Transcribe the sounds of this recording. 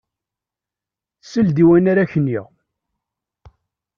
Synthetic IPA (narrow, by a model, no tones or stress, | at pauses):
θsəld̪iwænaɾaçənːiʁ